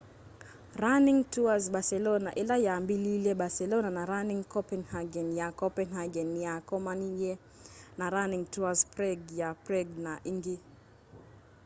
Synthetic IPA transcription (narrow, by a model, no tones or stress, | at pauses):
raniŋtuazbasɛlɔnaʔilajambililɛɓasɛlɔnanaɾaniŋkɔpɛnhaɡɛnjakɔpɛnhaɡɛnjakɔmanijɛ | naɾaniŋtuaspɾɛɡjapɾɛɡnaʔiŋɡi